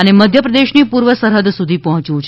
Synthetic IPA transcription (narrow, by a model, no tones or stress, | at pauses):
əneməd̪ʱjəpɾəd̪eʃnipuɾʋəsəɾɦəd̪sud̪ʱipɔɦɔ̃t͡ʃjũt͡ʃʰ